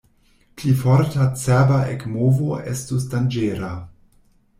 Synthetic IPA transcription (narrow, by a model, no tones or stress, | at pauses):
plifoɾtat͡sɛbaʔekmovoʔestus̬dand͡ʒeːɾa